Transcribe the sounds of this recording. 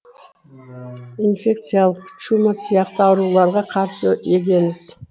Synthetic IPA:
infʲe̞k̚t̪sɨjalˠəqʰt͡ʃumɑsijɑqt̪əɑwɾulˠɑɾʁɑqʰɑɾsəe̞ɡʲe̞mɪz̥

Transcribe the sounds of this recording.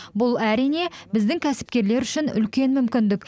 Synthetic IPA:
bʊlˠæɾijne̞bɪzd̪ɪŋkʲʰæsɪ̥p̚kʲe̞ɾle̞ɾʏʃɪnʏ̰lkʲe̞nmʏmkʲɪnd̪ɪk

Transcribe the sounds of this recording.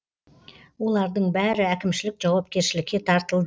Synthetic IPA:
wo̞lˠɑɾd̪əɴbæɾɪækʲɪmʃɪlɪkʒ̥ɑwɑp̚kʲe̞ɾʃɪlɪkʲːe̞t̪ʰɑɾt̪əlˠd̪ə

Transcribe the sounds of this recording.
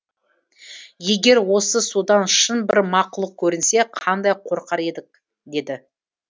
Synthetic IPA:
je̞ɡʲe̞ɾwo̞səsud̪ɑnʃənbɪɾmɑqʊlˠəq̚kʲʰɵɾɪnse̞qʰɑnd̪ɑjqʰo̞ɾqɑɾe̞d̪ɪk̚ | d̪e̞d̪ɪ

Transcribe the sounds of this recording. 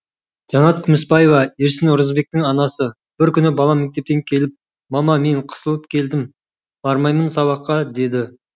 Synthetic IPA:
ʒɑnɑt̪kʲʰʏmɪsbɑjevɑeɾsɪnʊɾəzbe̞k̚t̪ɪŋɑnɑsə | b̥ɪɾkʲʏnɪbɑlˠɑme̞k̚t̪e̞p̚t̪e̞ŋkʲʰe̞lɪp̚ | mɑmɑme̞ɴqʰə̥səlˠəp̚kʲʰe̞ld̪ɪm | b̥ɑɾmɑjmənsɑβɑqːɑd̪e̞d̪ɪ

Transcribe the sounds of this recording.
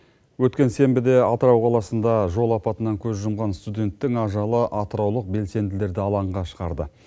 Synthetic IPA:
wɵt̪kʲe̞nse̞mbɪd̪e̞ɑt̪əɾɑwqʰɑlˠɑsənd̪ɑʒo̞lˠɑpɑt̪ənɑŋkʲʰɵzʒʊmʁɑnst̪ud̪ʲe̞nt̪ːɪŋɑʒɑlˠəʔɑt̪əɾɑwlˠəq̚be̞lse̞nd̪ɪle̞ɾd̪ɪɑlˠɑɴʁɑʃə̥ʁɑɾd̪ə

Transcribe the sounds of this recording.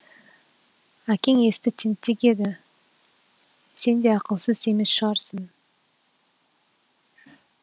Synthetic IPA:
ækʲe̞ŋe̞st̪ɪt̪ʰent̪ːekʲe̞d̪ɪ | se̞nd̪e̞ɑqəlˠsəze̞me̞sʃəʁɑɾsən

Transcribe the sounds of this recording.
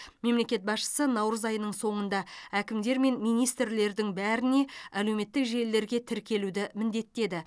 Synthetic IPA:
me̞mle̞kʲe̞t̪̚bɑsʃə̥sənɑwɾəzɑjənəɴso̞ɴənd̪ɑækʲɪmd̪e̞ɾme̞nmijnijst̪ɾle̞ɾd̪ɪŋbæɾɪne̞æle̞wme̞t̪ːɪkʒe̞jlːe̞ɾɡʲe̞t̪ʰɪɾkʲe̞lud̪ɪmɪnd̪e̞t̪ːe̞d̪ɪ

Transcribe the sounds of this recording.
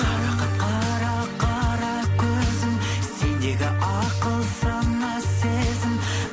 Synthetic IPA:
qʰɑɾɑqɑqʰɑɾɑqʰɑɾɑkʲʰɵzɪmse̞nd̪e̞ɡʲɪʔɑqəlˠsɑɴːɑse̞zɪm

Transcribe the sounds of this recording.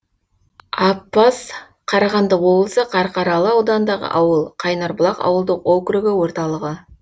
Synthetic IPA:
ɑpːɑs | qʰɑɾɑʁɑnd̪əwo̞blˠsəqʰɑɾqɑɾɑlˠəɑwd̪ɑnd̪ɑʁə̰ʔɑwəlˠqʰɑjnɑɾblˠɑqɑ̰wəlˠd̪əqokɾuɡɪwo̞ɾt̪ɑlˠəʁə

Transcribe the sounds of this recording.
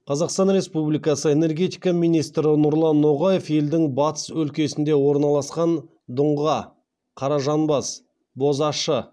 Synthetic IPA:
qʰɑzɑqst̪ɑnɾe̞spublʲijkɑsəe̞ne̞rɡʲe̞t̪ijkɑmijnijst̪ɾɪnʊɾlˠɑnːo̞ʁɑje̞fje̞ld̪ɪŋbɑt̪ə̥swɵlkʲe̞sɪnd̪e̞wo̞ɾnɑlˠɑsqɑn | d̪ʊɴʁɑ | qʰɑɾɑʒɑnbɑs | bo̞zɑʃə

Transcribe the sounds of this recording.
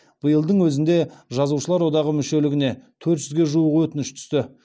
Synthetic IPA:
b̥əjəlˠd̪əɴwɵzɪnd̪e̞ʒɑzuʃəlˠɑɾwo̞d̪ɑʁəmʏʃe̞lɪɡʲɪne̞t̪ʰɵɾt̪ʒ̥ʏzɡʲe̞ʒuəʁwɵt̪ɪnɪʃt̪ʰʏ̥st̪ɪ

